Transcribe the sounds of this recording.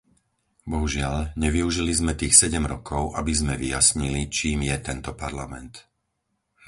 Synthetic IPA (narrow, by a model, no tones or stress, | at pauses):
bɔɦuʒɪaʎɲɛʋiuʒilizmɛt̪iːxsɛɟɛmɾɔkʰɔʊʔabizmɛʋijasɲilit͡ʃiːmjɛt̪ɛnt̪ɔpaɾlamɛnt̪